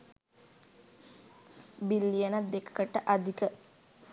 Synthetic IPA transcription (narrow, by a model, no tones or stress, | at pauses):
bilːijənat̪̚d̪ekə̥kəʈəʔad̪ʱikə